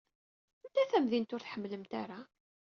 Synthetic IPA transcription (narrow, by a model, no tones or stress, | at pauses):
ənt̪æθæmðint̪ʊɾθħəmːləmt̪aɾa